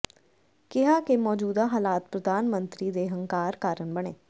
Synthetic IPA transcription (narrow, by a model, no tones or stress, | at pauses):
kɪɦaːkemɔːd͡ʒuːd̪aɦaːlaːt̪̚pɾəd̪ʱaːnmə̃nt̪ɾid̪eːɦə̃ŋkaːɾkaːɾənbəɽ̃eː